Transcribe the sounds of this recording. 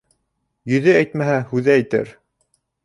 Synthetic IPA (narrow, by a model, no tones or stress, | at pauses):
jɵ̆ðɘæjt̪mæɦæhʉðæːjt̪æ̰ɾ